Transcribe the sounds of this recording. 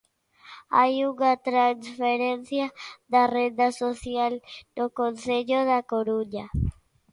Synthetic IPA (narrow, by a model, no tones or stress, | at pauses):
ajuɣat̪ɾansfeɾenθjaðared̪asoθjaldokonseʎoðakoɾuɲa